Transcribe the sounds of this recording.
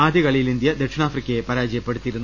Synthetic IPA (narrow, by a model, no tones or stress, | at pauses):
aːd̪jɐɣɐɭijilind̪jɐd̪ekʂɐnaːfrikʲːɐjepɐɾaːd͡ʑɐjɐpːeɽut̪ːijiɾunː